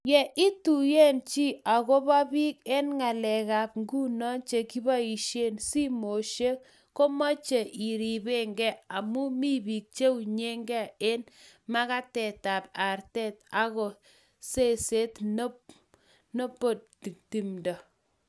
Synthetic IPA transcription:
jɛ˨ʔi˦tu˨je˦nt͡ʃi˦a˨ko˦pa˦pi˦ke˦nŋa˨lɛ˨ka˨p̚ŋɡu˦nɔ˦nt͡ʃe˨ki˦ba˦i˨ʃe˦nsi˦mo˨ʃe˦k | ko˦mɔ˦t͡ʃe˨ʔi˨ɾi˨be˦ŋɡɛ˦a˨mu˦mi˦bi˨k̚t͡ʃe˦u˨ɲe˦ŋɡɛ˦˨e˦nma˦ka˦tɛ˨ta˨p̚a˨rtɛ˦t̚a˦ko˨ | se˦˨se˦tno˦p | no˦po˨t̚ti˨ti˨mdɔ˨

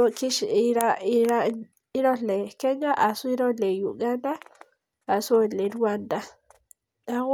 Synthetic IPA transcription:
ki˦ʃɾa˦i˦ɾa˦ | i˦ɾo˦le˨kɛ˦ɲa˦ʔa˨su˦i˦ɾo˦le˨ju˨ɡa˦nd̪a˦ | a˨su˦˨le˨ɾu˦wa˦nd̪a˦ | a˨

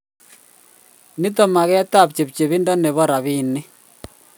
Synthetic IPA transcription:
ni˦tɔ˦˨ma˨ɣɛ˦ta˦˨p̚t͡ʃe˨pt͡ʃe˨βi˦ndɔ˦ne˨βɔ˦ɾa˨βi˦˨ne˦

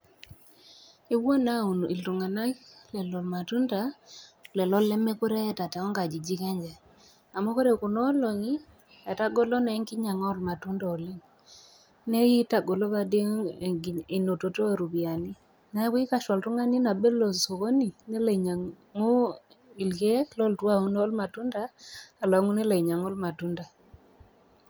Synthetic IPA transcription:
i˦wwo˦na˦u˨n˨i˨ltu˨ŋa˨na˦lɛ˨lɔ˨lma˨tu˦nda˨lɛ˨lɔ˦lɛ˦mɛ˦ku˦ɾɛ˦ta˨tɛ˨ɔ˦ŋɡa˨d͡ʒi˨d͡ʒi˦kɛ˦ɲd͡ʒɛ˨ | a˨mo˦ko˦ɾe˨ku˨nɔ˦lo˨ŋi˦ | a˨ta˦ɡo˦lo˦nɛ˨˦ŋki˦ɲa˨ŋɔ˦lma˨tu˦ndɔ˨o˨li˦ŋ | ne˦ji˦ta˨ɡo˨lo˦ba˦de˦˨ | e˨no˨to˨to˦e˨ɾu˨bi˨a˨ni˦ | na˨˦wi˦ka˦˨ʃa˨ltu˦ŋa˦ni˦na˨be˦lo˨so˨ko˦ni˨nɛ˦le˨ɲa˨ | ŋu˦ | i˨lke˦lɔ˦ltwa˦u˦n˦ɔ˦lma˨tu˦ndaː˦˨lɔ˨˦ŋu˦ne˦la˨i˨ɲa˨ŋo˦lma˨tu˦nda˨

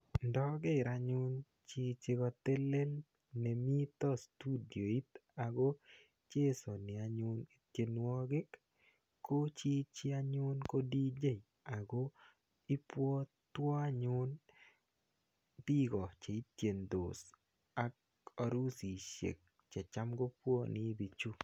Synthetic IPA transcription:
ndɔ˦ɡɪ˦˨ɾa˨ɲʊ˦n | t͡ʃɪ˦t͡ʃɪ˦ɡɔ˧t̪e˦le˦l | nɛ˨mi˦t̪ɔ˦stu˦di˨o˨i˦t̪a˨ɡo˦ | t͡ʃe˦so˨nɪ˨a˨ɲʊ˦ni˨t̪je˨nwɔ˦ɡɪ˦k | kːo˦t͡ʃi˦t͡ʃɪ˦a˦ɲʊ˦nko˦di˦d͡ʒe˦˨j | a˨ɡo˦ | i˦pwɔ˦ | t̪wɔ˦a˦ɲʊ˦n | bi˦ɡɔ˨t͡ʃe˨i˦t̪je˨nd̪o˨s | a˦k | ɔ˨ɾu˦si˨ʃḛ˨k̚ | t͡ʃɛ˨t͡ʃa˦mɡo˦pwo˦nɪ˦bi˨t͡ʃu˦

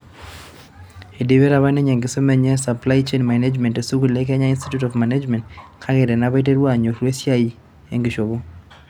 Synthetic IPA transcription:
e˨de˨βe˦ɾa˨βa˦ne˦ɲɛ˨ŋɡɪ˨so˦mɛ˨ɲɛ˦sa˨pla˦jt͡ʃe˦nmane˦d͡ʒmɛ˨nte˨su˦ɡu˨le˦kɛ˦ɲa˦i˦nsti˦tu˦tɔ˨vma˨nad͡ʒmɛ̃˨ntkʰa˦ɡɛ˨ɾɛ˨na˦βa˦t̬e˦ɾwa˦˨ɲo˨ɾwe˦sja˦i˦ | e˦ŋɡɪ˨ʃo˨βo˦

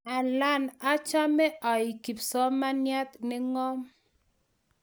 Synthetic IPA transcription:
a˨la˦˨na˦t͡ʃa˦mɛ˦ʔɔ˨i˨ki˨psɔ˦ma˦nja˦t̪nɪ˦ŋɔ˦m

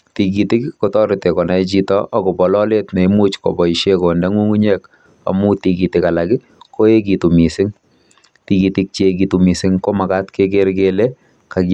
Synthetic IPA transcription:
ti˨k̬itɪ˦kkɔtɔ˦ɾɪ˨te˨kɔ˨na˦jt͡ʃitɔʔa˨kɔ˨bɔ˨lɔle˦tne˨imu˦t͡ʃkɔ̰˨bɔ˨iʃeko˨ndɛ˦ŋu˦ŋu˦ɲɛk | a̰˨mu˦ti˨ki˨tɪkalakɪ˦ | ko˦e˦k̬itu˨mi˨sɪ˦ŋ | ti˨kitɪk̚t͡ʃek̬itu˨mi˨sɪ˦ŋko˦ma˨katkek̬eɾkele | kak

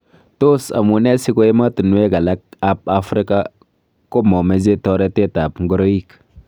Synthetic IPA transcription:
to˦sa̰˨mu˨ne˦si˦ko˦je˦ma˦tə˨nu˦we˦ɡa˨la˦k̚a˦p̚a˦fɾi˦ka˦ | ko˦mo˨me˨ze˦to˦ɾe˦te˦ta˨pŋɡu˦ɾo˦i˦k

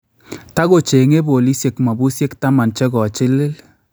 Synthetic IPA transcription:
ta˦ko˨t͡ʃe˨ŋe˦bo˨li˦sje˨kma˨bu˦sje˦kta˦ma˨nt͡ʃɛ˦kɔ˨t͡ʃɪ˦lɪ˦l

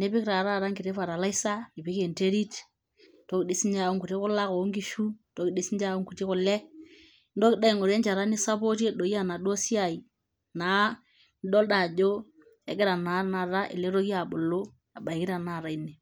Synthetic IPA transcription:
ne˦pɪ˦kɾa˨ɾa˦˨ɾa˦ŋɡɪ˨ɾe˦fa˨ɾa˨la˦i˦sa˦i˨pɪ˦ke˨nte˦ɾi˦t | to˦kɪ˨di˦si˦ɲd͡ʒa˦˨o˦ŋku˨ti˦kʊ˦la˦ko˨˦ŋɡi˦ʃu˦to˦kɪ˨ɗi˦si˦nd͡ʒa˦o˦ŋku˨ti˦kʊ˨lɛ˦ | ndo˦kɪ˦da˦i˨ŋo˨ɾe˦nt͡ʃa˨ɾa˦ni˦sa˦po˦te˦ɗo˨ja˦˨na˨ɗo˦si˦a˨i˨ | naː˨˦ | n˦ɗɔ˦lda˨d͡ʒo˦ | ɛ̰˨kɪ˦ɾa˨na˨˦na˨ɾa˦ʔɪ̰˨le˦ɾo˦ki˦a˨ɓo˨lo˦ | a˨ɓa˨i˨kɪ˦ɾa˨na˦˨ɾa˨i˦ne˨

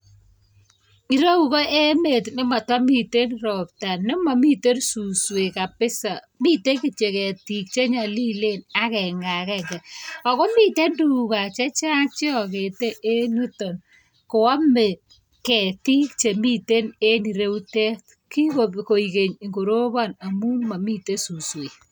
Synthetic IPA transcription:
i˨ɾe˦u˦kɔ˦ʔe˦me˨tnɪ˦ma˨twa˦mi˨te˦nrɔ˨p̚ta˨nɪ˦ma˨mi˦te˦rsu˨swe˨ka˨pɪ˦sa˨ | mi˦te˦ki˨t͡ʃe˨kɛ˨ti˨k̚t͡ʃe˦ɲa˨li˦le˦na˦kɛ˨ŋa˨kɛ˦ŋɡɛ˨ɔ˨kɔ˦mi˦te˦ndu˨u˨ka˨t͡ʃe˦t͡ʃa˦t͡ʃe˦ɔ˨ke˨te˦ʔe˦nu˦to˨n | ko˨wa˦me˨ | kɛ˨ti˦kt͡ʃe˨mi˦te˦ne˦ni˨ɾe˦u˦te˦t | ki˦koko˨i˨ke˨ɲ˨ŋɡo˨ɾo˦ba˦na˨mu˦ma˨mi˦te˦su˨swe˨

